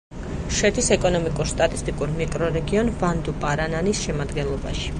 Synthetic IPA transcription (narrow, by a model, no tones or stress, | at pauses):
ʃɛt̪ʰisɛkʼɔnɔmikʼuɾst̪ʼat̪ʼist̪ʼikʼuɾmikʼɾɔɾɛɡiɔnvand̪upʼaɾananisʃɛmad̪ɡɛnlˠɔba̰ʃi̥